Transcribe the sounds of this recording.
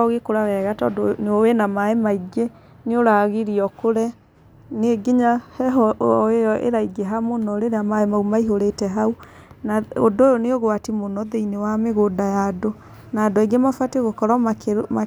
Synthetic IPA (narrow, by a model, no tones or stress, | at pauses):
ɔɣekoɾawɛɣatɔdoneowɛnamaemaiɡe | neoɾaɣeɾiɔkoɾɛ | neeɡiɲahɛɔejɔʔḛɾaiɡeɦamonɔɾeɾeamaemaumaiɦoɾetɛɦau | nao̰doːjoneoɣoatimonɔðeinewameɣodajado | nadoeɡemafwateɣokɔɾamakma